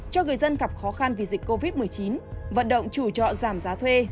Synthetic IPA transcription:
t͡ɕɔ˧ŋɨ˨˩əjzə˧nɣa˨˩p̚xɔ˨˦xa˧nvi˨˩zi˨˩k̚ʲkːo˧vi˦˥t̚mɨ˨˩əjt͡ɕi˨˦nvə̰˧˨nɗə̰˧˨wŋ͡mt͡ɕu˧˩t͡ɕɔ̰˧˨zaː˧˩mzaː˨˦t̪ʰwe˧

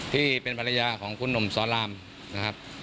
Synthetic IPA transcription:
t̪ʰiː˥˩pe˧npʰa˧la˧jaː˧kʰɔː˩˦ŋkʰu˧˥˨nːo˧˩msɔː˩˦laː˧m | na˧kʰa˦˥p̚

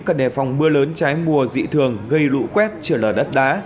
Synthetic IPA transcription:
kə˧˨˩nɛ˨˩fwŋ͡mɓɨ˧ələː˨˦nt͡ɕaː˨˦jmu˨˩əzḭ˧˨t̪ʰɨ˨˩əŋɣə˧jlṵ˧˥kwɛ˦˥t̚t͡ɕɨː˧˩ləː˧˩jɗə˦˥t̚ɗaː˨˦

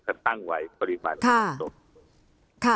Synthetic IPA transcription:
kʰa˧˩t̪a˥˩ŋwa˨˦jpɔ˧ɾi˦˧ma̰ː˨˩nkʰa˥˩o˨˩ | kʰa˥˩

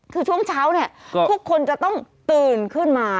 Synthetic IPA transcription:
kʰɯː˧t͡ɕʰu˥˩əŋt͡ɕʰaː˦˥wni˥˩əpʰu˥˩əkʰːo˧nt͡ɕa˨˩t̪ɔ˥˩ŋt̪ɯː˧˩nkʰɯ˥˩nmaː˧

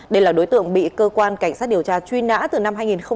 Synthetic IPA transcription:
ɗə˧jlaː˨˩ɗo˨˦jt̪ɨ̰˧˨əŋɓḭ˧˨kəː˧kwaː˧nka˧˩jŋ̟saː˦˥t̚ɗi˨˩əwt͡ɕaː˧t͡ɕwi˧na̰ː˧˥t̪ɨ˨˩na˧mhɦaː˧jŋi˨˩nxə˧ŋ͡m

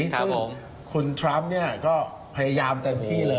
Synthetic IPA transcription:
sŋ˧˦m | kʰu˧nt̪ʰɾa˦˥m̚ni˥˩ɐkɔː˥˩ | pʰa˧ja˧jaː˧mt̪e˧mt̪ʰiː˥˩lɤː˧

